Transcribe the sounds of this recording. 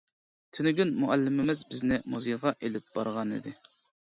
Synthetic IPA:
t̪ʰynɪɡʲynmuʔælːɪmɪmɪzbɪznɪmuzɨʁɑʔelɪp̚b̥ɑ̰ɾʁɑnḭd̪ɪ

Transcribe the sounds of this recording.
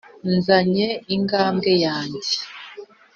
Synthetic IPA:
nzaɲeiŋɡaːmɡejaːɲɟe

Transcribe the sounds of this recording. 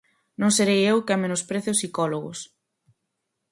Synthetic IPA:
nõŋseɾejewkɪamenʊspɾeθɪʊsikɔloɣʊ̰s

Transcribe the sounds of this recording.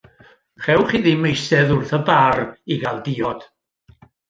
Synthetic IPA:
χɛwχiðimejsɛðʊrθəbariɡalˠdiːɔd̥

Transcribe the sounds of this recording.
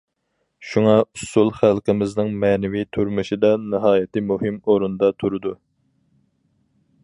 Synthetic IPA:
ʃuŋɑusulˠχælqəmɪznɨŋmɛnɪvit̪ʰuɾmɨʃid̪ɑnɨɦɑːjɪt̪ʰɪmuɦɪmoɾund̪ɑt̪ʰuɾɨd̪u

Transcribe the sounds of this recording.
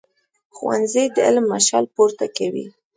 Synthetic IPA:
xwa̰nzijd̪əɪlmːaʃɑlpoɾt̪akawḭ

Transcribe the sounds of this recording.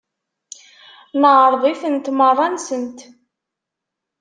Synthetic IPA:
nəʁɾˤðˤiθənt̪mərˤːɑnsənt̪

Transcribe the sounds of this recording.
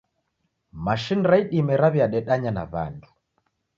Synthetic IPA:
maʃiniɾaiɗimɛɾaβjaɗɛɗaɲana̰βa̰ndu̥

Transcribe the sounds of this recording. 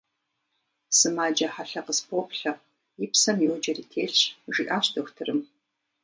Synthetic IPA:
sɨmaːd͡ʒɐħaɬɐqəspopɬɐq̚ | jɪpsɐmjɛwd͡ʒɐriːtʰeːɬʒiʔaːɕtʰɐxʷtʰɨrɨm

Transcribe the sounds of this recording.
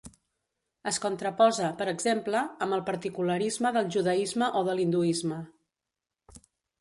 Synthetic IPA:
əskunt̪ɾəpɔzəpəɾəɡzempləəmbəlˠpəɾt̪ikuləɾizməðəlˠʒuðəizməʔoðəlind̪uizmə

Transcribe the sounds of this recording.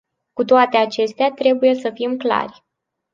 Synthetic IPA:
kut̪oat̪e̞at͡ʃe̞st̪eat̪ɾe̞buje̞səfimkla̰rʲ

